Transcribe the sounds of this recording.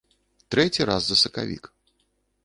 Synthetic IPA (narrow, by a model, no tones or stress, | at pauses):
t̪ɾɛt͡sʲiɾazzɐsɐka̰vʲḭk